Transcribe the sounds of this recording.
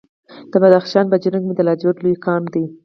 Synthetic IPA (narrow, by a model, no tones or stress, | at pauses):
d̪̥əbad̪axʃɑnbad͡ʒənaɡmid̪əlɑd͡ʒod̪lojkɑmd̪i